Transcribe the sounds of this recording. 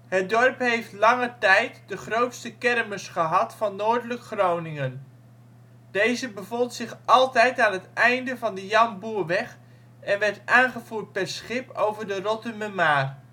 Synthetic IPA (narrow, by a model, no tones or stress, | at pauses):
ɦət̚dɔrpɦejftlɑŋətɛjtdəχrowtstəkɛrməsχəɦɑtfɑnːoːɹdələkχrownɪŋən | dejzəbəvɔntsɪχɑlˠtɛjtaːnɦətɛjndəvɑndəjɑmbuːɹʋɛχ | ɛnʋɛɹtaːnχəvuːt̚pɛɹsχɪpo̰wvəɹdərɔtəməmaːr